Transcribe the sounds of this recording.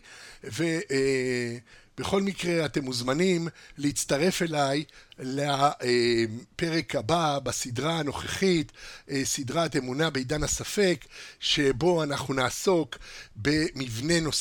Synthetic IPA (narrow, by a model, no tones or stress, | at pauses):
ve̞ | b̥eχo̞lmikʁe̞at̪e̞muzmanimleit͡st̪aʁe̞fe̞lajleaepe̞ʁe̞kababasidʁaːno̞χeχit̪sidʁate̞munabeidanhasafe̞kʃe̞bo̞anaχnunaːso̞kbe̞mivne̞no̞s